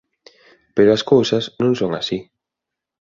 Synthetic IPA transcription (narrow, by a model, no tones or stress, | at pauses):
peɾoaskowsɐznõŋsoŋa̰si